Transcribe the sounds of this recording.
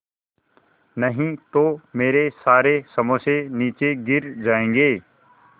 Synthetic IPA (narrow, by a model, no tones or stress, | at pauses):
nɐɦĩt̪omeːɾesaːɾesɐməseniːt͡ʃeɡɪɾd͡ʒaːẽːŋɡeː